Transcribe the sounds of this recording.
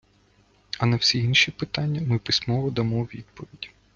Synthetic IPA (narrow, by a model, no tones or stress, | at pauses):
ɐnɐwsʲiinʃipɪt̪ɑnʲːɐmɪpɪsʲmɔʋɔd̪ɐmɔwʲid̪̚pɔʋʲidʲ